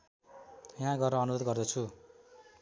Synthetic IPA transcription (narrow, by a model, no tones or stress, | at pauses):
jɦãɡʌrnʌːnut̪ʌt̪ɡʌrd̪ʌt͡sʰu